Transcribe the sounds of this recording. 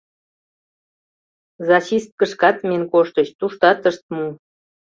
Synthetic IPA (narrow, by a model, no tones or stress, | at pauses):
zɑɕist̪̚kəʃkɑt̪menkoʃt̪əɕt̪uʃt̪ɑt̪əʃt̪̚mu